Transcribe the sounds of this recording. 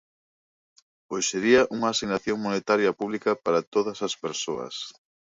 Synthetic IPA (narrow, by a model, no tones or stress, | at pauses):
oseɾiɐʔuŋɐːsiɣnaθjoŋmonet̪aɾjɐpuβlikɐpaɾɐt̪oð̞ɐsɐspeɾsoɐ̰s